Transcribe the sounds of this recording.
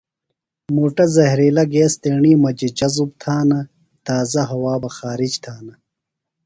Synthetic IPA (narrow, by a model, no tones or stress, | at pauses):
muːʈɐzɐɦɾiːlɐɡeːst̪eːɳiːmɐd͡ʑid͡ʑɐzub̚t̪ʰaːnɐ | t̪aːzɐɦɐwaːbɐxaːɾid͡ʑt̪ʰaːnɐ